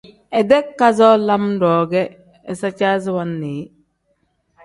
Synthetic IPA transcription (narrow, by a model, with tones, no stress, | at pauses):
ɛ˨dɛ˦kːa˦zɔ˦la˦mdɔː˨ɡɛ˦ | ɛ˨sa˦t͡ʃa˦zwanːeː˨